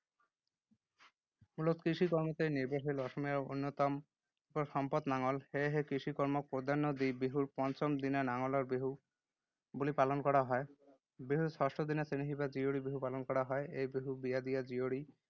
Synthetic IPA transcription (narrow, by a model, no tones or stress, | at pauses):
mulot̪kɾiʃikɔɾmɔt̪eniɾbaɦilɔʃɔmijaɾo̰nːot̪ɔm | pɔɾʃɔmpɔt̪naŋɔlheɦekɾiʃikɔɾmɔk̚pod̪ʱanːod̪ibiɦuɾpɔnt͡ɕɔmd̪inanaŋɔlaɾbiɦu | bulipalɔnkɔɾaɦɔe | biɦusɔʃʈod̪inasiniɦibad͡ʑioɽibiɦupalɔnkɔɽaɦɔeejbiɦubijad̪ijad͡ʑioɽi